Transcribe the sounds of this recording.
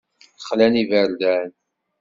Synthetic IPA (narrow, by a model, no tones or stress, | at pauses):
θəχlænivəɾd̪æn